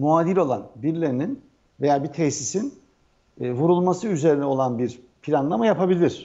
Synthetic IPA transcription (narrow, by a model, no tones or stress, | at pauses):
muaːd̪ilʲo̞lˠanbiɾlʲeɾinin | vejaːbit̪ʰɛçsisinː | vuɾulˠmasɯyze̞ɾinɛo̞lˠanbiɾ | pʰiɾanlˠamajapʰabilʲiɾ̝̥